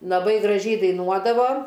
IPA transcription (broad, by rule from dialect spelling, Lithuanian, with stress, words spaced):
lˠɐˈbɐɪ ɡrɐˈʒʲɛɪ dɐɪˈnuɔdɐʋoː